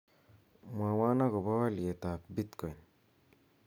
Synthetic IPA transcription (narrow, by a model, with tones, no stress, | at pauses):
ma˨wa˦na˦ɡɔ˨ba˦wa˦lie˨t̪a˨pbit̪kɔ˨jn